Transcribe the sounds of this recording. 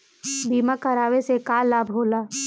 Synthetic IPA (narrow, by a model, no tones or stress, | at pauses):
biːmakəɾaːʋesekaːlːaːbɦoːlaː